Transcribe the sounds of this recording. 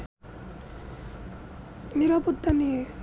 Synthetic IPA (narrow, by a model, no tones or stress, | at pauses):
niɾaput̪ːani